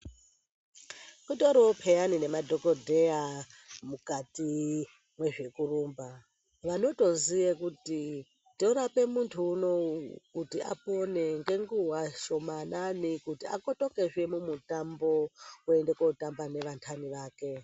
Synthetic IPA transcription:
kutoɾopʰejanine̞madʱokodʱeja | mukati | mwe̞ʐe̞kuruːmba | ʋano̞to̞zijekuti | toɾape̞muntʰuːno̞kutiʔa̰po̞ne̞ŋɡe̞ŋɡuɦwaʃo̞mananikutia̰kotokeʐemumutambo̞ue̞ndekotambane̞ʋantʰaniʋaːke̞

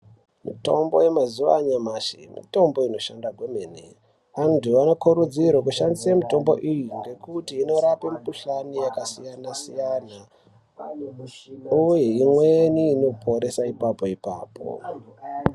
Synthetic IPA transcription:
mito̞mbo̞̰je̞mazuʋa̰ɲamaʃḭmḭto̞mbo̞ino̞ʃandaɡʱwemeːnḛ | antuanokuɾud͡ziɾok̬uʃandisamito̞mbo̞̰ʔijiŋɡe̞kutiːno̞ɾapemukuɬanijakasijanasijana | ujeimweniːno̞pʰo̞ɾe̞saipapo̞ipa̰ːpʰo̰

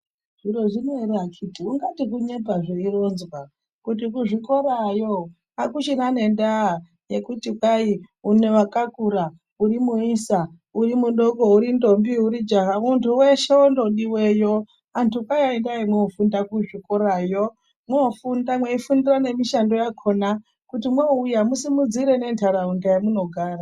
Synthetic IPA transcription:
ʐiɾoʐinoiɾakʰitiuŋɡatikuɲe̞bʱaʐeiro̞nzwa | kut̬ikuʐiko̞ɾajo | akut͡ʃinane̞nda | jekutikaiune̞wakakuɾa | uɾimuisa | urimunɗoɡouɾindombiuɾid͡ʒaɦamuntʰuweʃeondoɗiwejo | antʰukajaendaimweofundakuʐiko̞ɾajo | mweofundamweifundirane̞miʃando̞jakʰo̞na | kutimweujamusimud͡ziɾene̞ntʰaɾaundajamuno̞ɡʱaːra

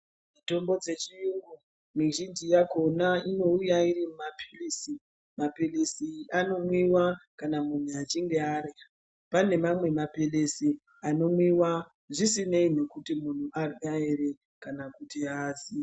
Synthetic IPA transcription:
mito̞mbo̞d͡ze̞t͡ʃijuŋɡu | miʒind͡ʒijako̞naino̞ujairimumapʰelisi | mapelesiano̞mwiwakanamun̤uat͡ʃiŋɡe̞aːɾe | pane̞mamwe̞mapelesi | ano̞mwiwa | ʐisine̞ine̞kutimun̤uʔarɡaeɾe | kanakutiaːzi

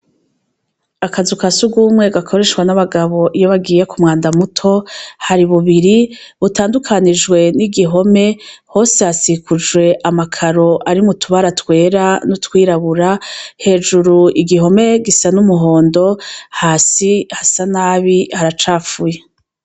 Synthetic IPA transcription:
akazukasuɡuːmŋe̞ɡakʰo̞ɾe̞ʃkwanaβaɡaβo̞ʔijoβaɡiːje̞kumŋaːndamutʰo̞haɾiβuβiɾiβutaːndukʰanid͡ʒɡwe̞niɡiɦo̞me̞ho̞ːsehasikud͡ʒwe̞ʔamakʰaɾo̞ʔaɾimutʰuβaɾatwe̞ːɾanutwiːɾaβuɾahe̞ːd͡ʒuɾuiɡiɦo̞me̞ɡisanumuɦo̞ːndo̞haːsihasanaːβihaɾat͡ʃaːfuje

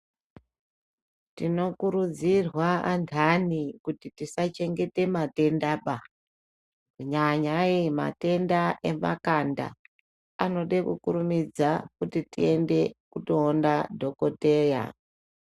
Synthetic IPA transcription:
tino̞kuɾud͡zirwaantʰanikutitisat͡ʃe̞ŋɡe̞te̞mate̞ndaːɓa | uɲaɲaima̰te̞ndaʔe̞ma̰kanda̰ | ano̞ɗekukuɾumid͡zakutitḭe̞nde̞kuto̞ːndadʱo̞ko̞teːja̰

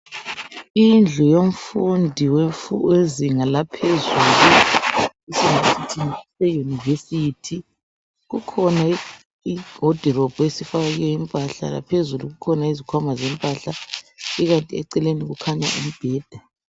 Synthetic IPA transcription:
ind͡ɮʱujom̩fundʱiwweziŋalapʰezuːlu | isiŋesitʰinisejunivesitʰi | ɣukʰɔnai | iɡ̥ʱɔd̥ʱirɔb̥ʱuesifaɣaɣiɛimpʼaɬa̰la̰pʰezuluɣukʰɔnaizikʰwamazɛmpʼaɬaiɣantʼiɛ̰ǀɛleniɣukʰaɲa̰ʔum̩b̥ʱɛːd̥ʱa

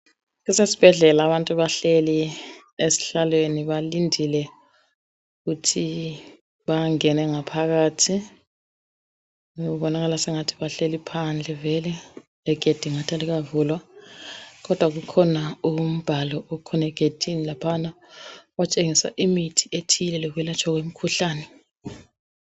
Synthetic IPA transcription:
kisesi̥b̥ʱɛɮɛlaβantʼuβaɬeli | esi̥ɬalweniβalindʱilɛ | uɣutʰi | βaŋɛnɛŋapʰaɣaːtʰi | uβɔnaɣalasɛŋatʰi̥βaɬelipʰand͡ɮʱɛvɛlɛ | ɛɡ̥ʱed̥ʱiŋatʰaliɣavulwa | kɔd̥ʱwaɣ̬ukʰɔnaum̩b̥ʱalɔʔɔkʰɔnɛɡ̥ʱed̥ʱinilapʰana | wat͡ʃʼeŋisa̰ʔimitʰiʔetʰilɛlɔk̬wɛlat͡ʃʰʼwaɣ̬wem̩kʰuɬaːnɛ

